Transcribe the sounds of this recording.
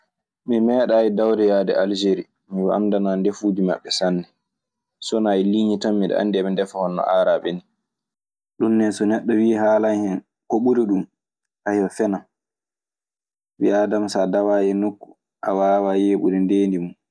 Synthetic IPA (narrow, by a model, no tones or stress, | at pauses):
mimɛːɗaːidawdɛjaːdɛʔald͡ʒeɾi | miwaamdanandefuːdima̰ɓːɛsanːɛ | sɔnajiliːɲitamːiɗɛ̰a̰ndiɛmɛndɛfɔhɔnːɔ̰ʔaːɾaɓɛni | ɗunːɛsɔnɛɗːɔwiːɦaːlanhɛn | koɓuɾiɗum | ʔajɔfɛnam | wiadamsadawaːjɛnokːu̥ | ʔa̰waːwajeːɓṵɾindeːndimun